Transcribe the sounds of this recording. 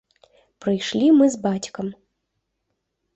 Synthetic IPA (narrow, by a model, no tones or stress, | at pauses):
pɾɨjʂlʲimɨzbat͡sʲkɐm